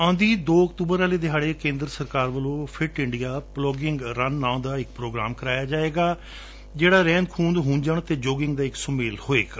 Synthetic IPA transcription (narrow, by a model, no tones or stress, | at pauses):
ãːnd̪iːd̪oːəkt̪uːbəɾaːleːd̪eɦaːɽeːkẽːnd̪ɾəsəɾkaːɾʋəlõːpʰɪʈɪɳɖijaːplɔːɡɪŋɡɾənːãːd̪aːɪkpɾoːɡɾaːmkəɾaːjaːd͡ʒaːeːɡaː | d͡ʒeːɽaːɾɛ̃ːnd̪kʰuːnd̪ɦũːnd͡ʒəɳt̪eːd͡ʒoːɡɪŋɡd̪aːɪksʊmeːlhoːḛːɡ